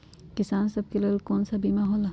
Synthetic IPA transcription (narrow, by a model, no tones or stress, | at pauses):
kɪsaːnsɐb̚kelelkoːnsabiːmaɦoːla